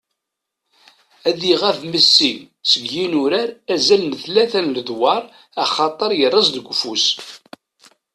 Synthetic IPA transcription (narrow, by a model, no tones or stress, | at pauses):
æðiʁævməsːin | səɡjinuɾaɾæzælnəθlæθænləðwɑɾˤ | ɑχɑt̪ˤəɾjərˤːɑzˤðəɡʷːfus